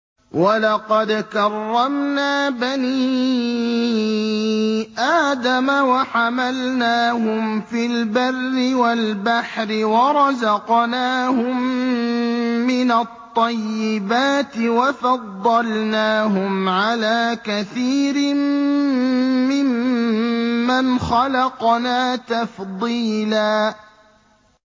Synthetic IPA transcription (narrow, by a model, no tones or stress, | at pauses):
walɑqɑd̪kɑrˤːɑmnaːbaniː | ʔaːd̪amawaħamalnaːɦʊmfilbarːɪwalbaħɾɪwɑɾˤɑzɑqnaːhʊm | ɪnat̪ˤːɑjːɪbaːt̪ɪwafɑd̪ˤːɑlnaːɦʊmʕalaːkaθiːɾɪ | ɪmː | anxɑlɑqnaːt̪afd̪ˤiːlaː